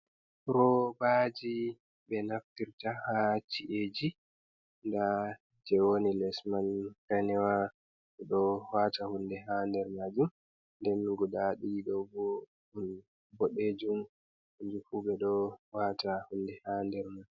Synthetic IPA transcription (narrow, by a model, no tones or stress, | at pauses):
ɾɔbad͡ʒi | bɛnaftiɾtahat͡ʃiʔed͡ʒi | nda | d͡ʒɛwonilɛsmankanɛwa | ɓɛɗɔwatahundɛɦandɛɾmad͡ʒum | ndɛnɡɔɗaɗiɗɔwbɔ | hun | bɔɗed͡ʒum | hud͡ʒufuɓɛɗɔwatahundɛhandɛɾmad͡ʒ